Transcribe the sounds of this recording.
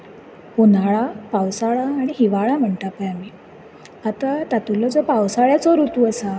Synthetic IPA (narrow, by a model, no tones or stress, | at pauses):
punaɭapawsaɭaːɽ̃iɦiʋaɭam̤əɳʈ̪apajami | at̪at̪at̪ulɔd͡zɔpawsaɭjat͡sɔɾut̪uəsa